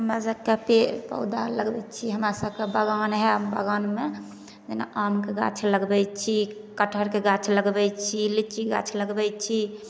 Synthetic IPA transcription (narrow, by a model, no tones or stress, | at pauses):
ɦəmɾasəb̚kepepə̰ud̪aləɡbɛt͡ʃʰiɦəmɾasəbkebəɡanɦɛbə̰ɡanme | d͡ʒena̰ʔamkeɡa̰t͡ʃʰləɡbɛt͡ʃʰi | kəʈʰəɾkeɡat͡ʃʰləɡbɛt͡ʃʰilit͡ʃiɡa̰t͡ʃʰləɡbɛt͡ʃʰi